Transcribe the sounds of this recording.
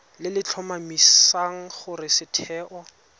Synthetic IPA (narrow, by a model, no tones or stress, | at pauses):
lɪlɪt͡ɬʰɔmamisaŋ̩χʊrɪsɪtʰɛːʔɔ